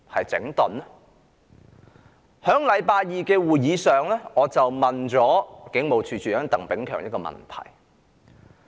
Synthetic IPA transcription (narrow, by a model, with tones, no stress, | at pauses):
hɐ˨jt͡sɪ̰˨˥ŋt̪ɔ˨n˥ | hœː˨˥ŋlɐ˨˧jpaː˧jiː˨˧kɛː˧wuː˨jjiː˨˧sœː˨ŋlɛ˥ŋɔː˨˧t͡sɐ˨wmɐ˨nt͡sɔː˨˥kɪ˨˥ŋmo˨˧wt͡ʃʰyː˧t͡ʃʰyː˨œː˨˥t̪ɐ˨˩ŋpɪ˨˥ŋkʰœ̰ː˨˩ŋjɐ˥tkɔː˧mɐ̰˨nt̪ʰɐ̰˨˩j